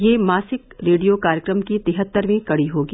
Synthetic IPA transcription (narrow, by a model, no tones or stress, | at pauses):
jeːmaːsɪkɾeːɖijokaːɾjəkɾəmkit̪ɪɦət̪ːəɾmẽkɐɽiɦoːɡiː